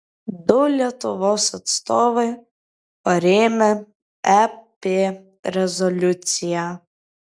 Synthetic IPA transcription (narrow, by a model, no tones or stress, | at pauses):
d̪ɔlʲɐt̪ɔʋɔsɔt̪st̪ɔʋɪ | ɔɾʲemɛ | ɛpe | ɾɛzɔlʲut͡sʲija